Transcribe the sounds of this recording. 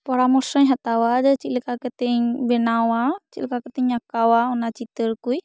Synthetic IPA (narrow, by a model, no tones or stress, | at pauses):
pɔɾamɔɾsɔɲɦɛt̪awad͡ʒɛt͡ʃit̪lɛkakɛt̪ɛɲbɛnawat͡ʃilkakɛt̪ɛɲːakawaɔnat͡ʃit̪əɾkuj